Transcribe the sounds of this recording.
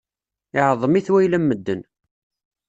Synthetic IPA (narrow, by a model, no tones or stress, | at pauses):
ɪʕəðˤːəmiθwæjlæmːəd̪ːən